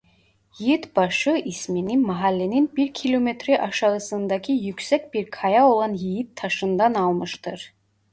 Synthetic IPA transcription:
jijit̪bɑʃɯismininmɑɦalʲːeninbiɾcʰilʲomet̪ʰɾɛʔɑʃɑɯsɯnd̪ɑcʰijycʲsɛcʲbiɾkʰɑjao̞lˠɑnjijit̪ʰːɑʃɯnd̪ɑnɑlˠmɯʃt̪ʰɯɾ̥

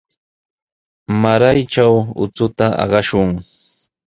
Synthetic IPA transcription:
maɾajʈ͡ʂawʊ̰t͡sʊt̪aʔɑ̰ɢɑʃʊŋ

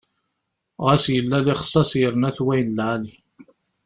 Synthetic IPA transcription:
ʁæsjəlːælɪχə̥sˤːɑsjəɾnæθwæjnlʕali

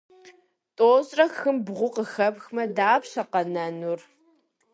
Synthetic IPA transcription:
tʼoːzʼrɐxɨmbʁʷʊqəxɐpxmɐdaːpɕɐqɐnɐnur

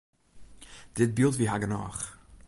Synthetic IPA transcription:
d̥ɪt̚bilˠtviːɦaɡənɔ̰ːχ

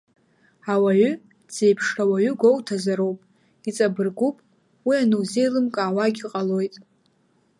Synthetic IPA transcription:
awaɥʏ | d͡z̥e̞jpʰʂrawaɥʏɡʷo̞wtʰazaɾowpʼ | it͡sʼabɨrɡʷupʼ | wianɨwze̞jlɨmkʼaːwaɡʲiqʼalo̞jtʼ

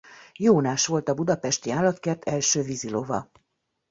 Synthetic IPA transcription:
joːnaːʃʋo̞lt̪ɒbud̪ɒpɛʃt̪iaːlːɒt̪kert̪ʰɛlʃøːvizilo̞vɒ̰

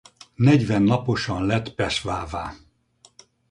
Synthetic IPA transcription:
nɛɟvɛnːɒpo̞ʃɒnlɛt̪pɛʃvaːvaː

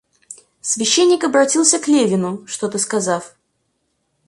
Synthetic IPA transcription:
svʲɪɕːenʲːɪkɐbɾɐtʲilˠsʲəklʲevʲɪnʊʂt̪ot̪ɨskɐzaf

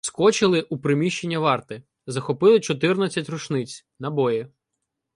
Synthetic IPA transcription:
skɔt͡ʃɪlˠɪʔupɾɪmʲiʃt͡ʃenʲːɐʋɑrt̪ɪ | zɐxɔpɪlˠɪt͡ʃɔt̪̬ɪrnɐt͡sʲːɐtʲrɔʃnɪt͡sʲ | nɐbɔjɪ

